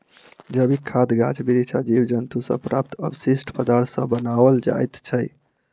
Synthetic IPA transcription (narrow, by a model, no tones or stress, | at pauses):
d͡ʒəbikʰad̪ɡat͡ʃbiɾit͡ʃʰad͡ʒibd͡ʒənt̪usə̰pɾa̰p̚t̪ʰə̰bsisʈʰpəd̪aɾt̪ʰsə̃bənabəld͡ʒa̰jt̪t͡ʃʰəj